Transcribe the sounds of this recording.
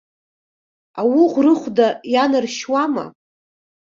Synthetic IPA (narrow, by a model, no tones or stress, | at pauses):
awiʁʷrɨχʷdajanɨrʃwama̰